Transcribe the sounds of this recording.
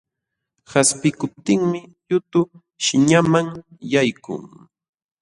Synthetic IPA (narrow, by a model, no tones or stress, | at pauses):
haspɪkʊp̚t̪ɪŋmɪʎʊt̪ʊ | ʃɪɲamaŋjajkʊ̰ŋ